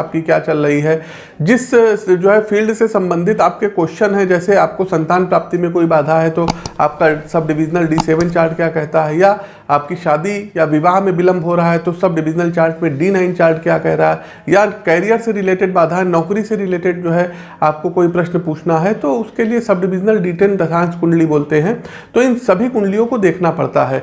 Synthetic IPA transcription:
p̚kikjaːt͡ʃɐlɾɐɦiɦɛː | d͡ʒɪsd͡ʒoːɦɛfʰiːlɖsesɐ̃mbə̃nd̪ʱɪt̪aːp̚kekoːʃʃənɦɛ̃d͡ʒɛːseaːp̚kosɐ̃nt̪aːnpɾaːp̚t̪imẽkoːibaːd̪ʱaɦɛt̪oaːp̚kasɐb̚ɖɪʋɪd͡ʒnəlɖiːseːʋə̃nt͡ʃaːɾʈkjaːkɛɦt̪aɦɛja | aːp̚kiʃaːd̪ijaʋɪʋaːɦmẽbɪlə̃mbʱɦoɾɐɦaɦɛt̪osɐb̚ɖɪʋɪd͡ʒnəlt͡ʃaːɾʈmẽɖiːnãːɪnt͡ʃaːɾʈkjaːkɛɦɾɐɦaɦɛ | jakɛːɾijəɾseɾɪleːʈeɖbaːd̪ʱaɦɛnɔːkɾiseɾɪleːʈeɖ̚d͡ʒoːɦɛ | aːp̚kokoːipɾɐʃnpuːt͡ʃʰnaɦɛt̪oʊskeliesɐb̚ɖɪʋɪd͡ʒnəlɖiːʈeːld̪ɐsãːnskʊ̃ɳɖliboːlt̪eɦɛ̃ | t̪oɪnsɐbʱikʊ̃ɳɖlijõkod̪eːkʰnapɐ̰ɽt̪aɦɛː

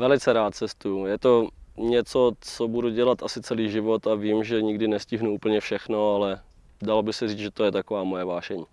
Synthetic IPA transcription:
vɛlɪt͡sɛɾaːt̪̚t͡sɛst̪ujujɛt̪oɲɛt͡sot͡sobuduɟɛlat̪ʔasɪt͡sɛliːʒɪvot̪aviːmʒɛɲɪɡdɪnɛscɪɦnuuːpl̩ɲɛfʃɛxnoalɛ | dalobɪxsɛriːt͡sʒɛt̪ojɛt̪akovaːmojɛvaːʃɛɲiː

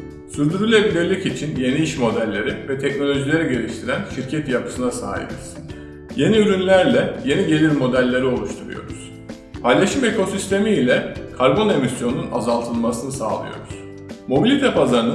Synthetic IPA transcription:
syɾd̪yɾylʲebilʲiɾlʲicit͡ʃʰinje̞niiʃmo̞d̪ælʲːe̞ɾivɛt̪ʰɛcno̞lʲo̞ʒilʲe̞ɾiɟe̞lʲiʃt̪ʰiɾænʃiɾcʰɛt̪japʰɯ̥sɯnasa̰ːɦḭbḭz̥ | je̞niyɾynlʲæɾlʲɛje̞niɟe̞lʲiɾmo̞d̪ælʲːe̞ɾio̞lˠuʃt̪ʰuɾṵjo̞̰ɾṵz̥ | pʰajlʲˠaʃɯme̞kʰo̞sist̪ʰe̞miːlʲɛkʰaɾbo̞ne̞misjo̞nnuna̰zalˠt̪ʰɯlˠmasɯnɯsa̰ːlˠɯ̰jo̞̰ɾuz̥ | mo̞bilʲit̪ʰɛpʰazaɾɯnɯ

